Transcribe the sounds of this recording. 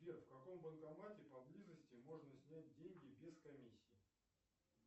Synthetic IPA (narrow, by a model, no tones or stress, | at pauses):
vʲefkɐko̞mbənkɐmatʲɪpɐblʲizəsʲtʲɪmo̞ʐnəsʲnʲæt̚ʲdʲenʲɡʲɪbʲɪskɐmʲisʲːɪː